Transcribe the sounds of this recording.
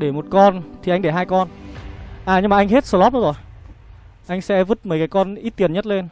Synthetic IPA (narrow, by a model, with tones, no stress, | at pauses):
ɗe˧˩mo˨˩t̚kɔ˧nt̪ʰi˨ʔa˧ŋ̟ɗe˧˩ɦaː˧jkɔ˧n | ʔaː˨˩ɲɨ˧ŋmaː˨˩ʔjŋ̟ɦe˦˥t̚sə˧˩lɔ˦˥p̚n˧˨˦zo˨˩j | ʔa˧jŋ̟sɛ̰˧˥vɨ˦˥t̚məː˨˦kaː˨˦jkɔ˧nʔi˦˥t̚t̪i˨˩ənɲə˦˥t̚le˧n